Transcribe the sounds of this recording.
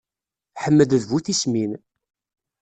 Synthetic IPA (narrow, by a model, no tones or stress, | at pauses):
ħəmːəðəðvuθismin